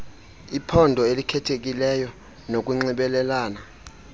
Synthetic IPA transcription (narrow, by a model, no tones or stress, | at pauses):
ipʰɔndʱɔelikʰɛtʰek̬ʼilɛjɔ | nok̬ʼuŋ͡ǀiɓɛlɛlaːna